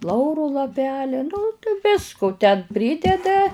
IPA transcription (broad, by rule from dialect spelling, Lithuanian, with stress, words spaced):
ˈlˠɐʊrʊ lˠɐˈpʲæːlʲɛ nʊ t ˈʋʲɪskʊ tʲɛn ˈpʲrʲiːdʲɛdɐ